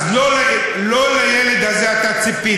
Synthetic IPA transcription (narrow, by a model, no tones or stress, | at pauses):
lol | loːlɐjeːlid̪ɐzjaːt̪ɐt͡sipːiː